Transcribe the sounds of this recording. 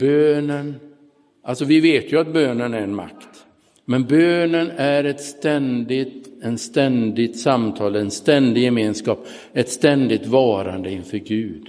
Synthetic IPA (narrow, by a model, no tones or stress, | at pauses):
b̥øːnən | ʔalsɔvɪveːt̪jɵat̪̚bøːnənæɾɛnma̰kt̪ | mɛnbøːnənæɾɛt̪st̪ɛnd̪ɪt̪ɛnst̪ɛnd̪ɪt̪samt̪ʰɑːləɛnst̪ɛnd̪ɪjɛmeːnskɑːp | ɛt̪st̪ɛnd̪ɪt̪vɑːɾa̰nd̪əɪnfœɾɡʉ̟ːd̪